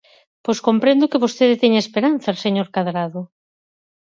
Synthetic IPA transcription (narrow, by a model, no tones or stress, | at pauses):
pojskompɾend̪ʊkɪβost̪eðɪt̪ɛɲaespeɾan̟θɐseɲoɾkaðɾaðʊ